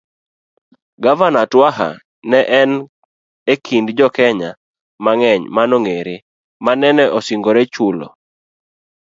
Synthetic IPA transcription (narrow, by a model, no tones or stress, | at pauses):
ɡavanatwaɦa̰ | nɛʔɛn | ekʰindd͡ʒɔkɛɲa | maŋɛɲmanoŋeɾɪ | manɛnɛʔɔsiŋɡoɾɛt͡ʃulɔ̰